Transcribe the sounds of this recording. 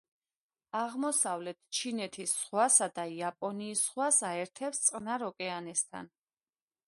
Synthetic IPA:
aʁmɔsavlɛt̪ʰt͡ʃʰinɛt̪ʰisːχwasad̪aiapʼɔniːsχwasaɛɾt̪ʰɛpst̪sʼqʼnaɾɔkʼɛanɛst̪ʰa̰n

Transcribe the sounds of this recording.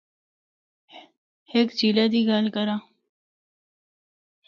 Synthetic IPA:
hekd͡ʑilad̪iɡaːlkɐɾa

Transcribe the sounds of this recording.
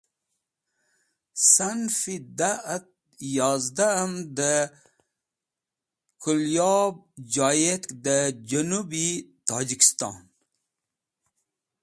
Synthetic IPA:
sanfid̪at̪̚ | jɑːzd̪amd̪ə | kʰuljɑb̚d͡ʒɑːjet̪kd̪əd͡ʒɐnubit̪ʰɑːd͡ʒiki̥st̪ɑ̰ːn

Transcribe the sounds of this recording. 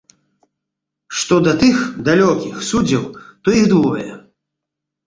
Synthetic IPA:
ʂt̪ɔd̪ɐt̪ɨxd̪alʲɔkʲixsud͡zʲːɐwt̪ɔiɣd̪ɔvɐ̰jɛ̰

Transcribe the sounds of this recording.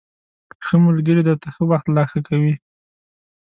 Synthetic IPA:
xəmʊlɡəɾed̪əɾt̪axəwaxt̪lɑxakawi

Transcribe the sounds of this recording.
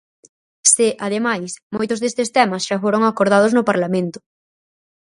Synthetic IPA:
seʔað̞emajsmojt̪ʊzðest̪est̪ɛmasʃafoɾoŋakoɾð̞að̞oznʊpaɾlamẽnt̪ʊ̥

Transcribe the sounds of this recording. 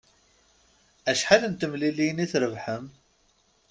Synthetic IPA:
æʃħalənt̪əmliliniθɾəvħəm

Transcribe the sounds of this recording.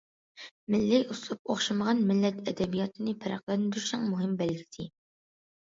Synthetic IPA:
mɪlːɪuslˠup̚oχʃɨməʁɑnmɪlːɛt̪ʰɛd̪ɛbijɑt̪ʰɨnɨpʰæɾɑqlˠɛnnd̪yɾʃɛŋmuɦɪmbɛlɡʲɪt̪ʰɪ

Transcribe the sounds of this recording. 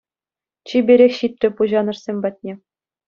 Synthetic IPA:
t͡ɕibʲeɾʲexʲɕit̪ʲrʲɘ̆puʑɑnɤ̆rsʲemʲbɑt̪̚ʲnʲe

